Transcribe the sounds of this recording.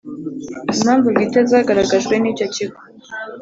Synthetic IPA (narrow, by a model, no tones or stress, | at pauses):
mamvuɡitɛzaɡaɾaɡaʒwɛnit͡ʃat͡ʃiɡu̥